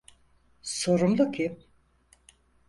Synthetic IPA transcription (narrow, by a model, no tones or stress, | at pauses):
so̞ɾumd̪ˠucʰi